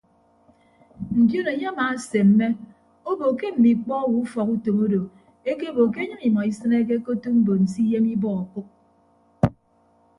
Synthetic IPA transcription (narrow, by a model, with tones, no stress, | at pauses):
n̩˨djo˦no˨ɲe˦a˦ma˨˦se˨m̩˦me˦ | o˦bo˨ke˦m̩˨mi˨k͡pɔ˦wu˦u˦fɔ˨ku˦to˨mo˦do˨ | e˦ke˦bo˨ke˦ɲɨ˦ŋi˨mɔ˨i˦sɨ˦ne˦k̬e˦ko˦tu˦m̩˦bo˨n̩˨si˦je˦mi˦bɔ˦ɔ˨ku˦k̚